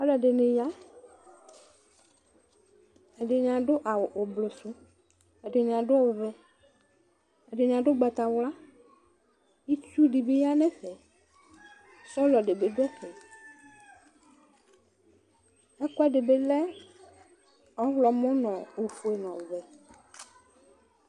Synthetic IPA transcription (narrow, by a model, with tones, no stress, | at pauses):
ɔ˦lɔ˨ɖe˨ne˨ja˦ | e˨ɖe˨ɲã˨ɖo˦ʔa˨wo˨blo˨su˦ | e˨ɖe˨ɲ˨ã˨ɖo˦a˦wo˨vɛ˨ | e˨ɖe˨ɲ˨ã˨ɖo˦ɡ͡ba˨t̪a˨wla˦ | i˦t͡ʃu˦ɖi˨be˦ja˦nɛ̃˦ɸɛ˨˦ | sɔ˦lɔ˨ɖe˨be˨ɖo˦ɛ˦ɸɛ˨ | ɛ˦kɔ˦a˦ɖe˨be˦lɛ˦ | ɔ˦wlɔ˨mɔ̃˦nɔ̃˨o˨fu˨e˨nɔ̃˨vɛ˨